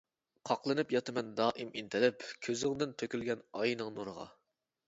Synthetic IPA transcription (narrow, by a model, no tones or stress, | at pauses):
qʰɑqlˠɨnɨpjɑt̪ʰɨmɛnd̪ɑːʔimint̪ʰɪlɪpkʲʰøzɪŋd̪ɪnt̪ʰøkʲylɡʲɛnɑjnɨŋnuɾəʁɑ̰